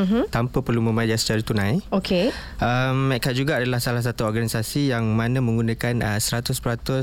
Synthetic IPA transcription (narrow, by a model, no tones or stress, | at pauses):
m̩ɦ̩t̪ampəpərlumə̃mãd͡ʒasə̥t͡ʃaɾat̪unãjokeəmːɛʔkaʔ̚d͡ʒuɡaːdalahsalahs̬at̪uɔrɡanisasijaŋmãnãmə̃ŋɡunãkanəsəɾat̪ʊspəɾat̪ʊs